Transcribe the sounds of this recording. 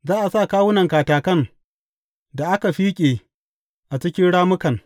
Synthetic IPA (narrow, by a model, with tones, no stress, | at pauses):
zaː˦ʔa˨saː˦˨kaː˦wʊ˦nɐ˨ŋkaː˨taː˨kɐ˦˨n | da˨ʔa˦ka˨ɸiː˦kʲʼeː˨ | ʔa˨t͡ʃɪ˦kʲɪ˦nɽaː˦mʊ˦kɐ˨ŋ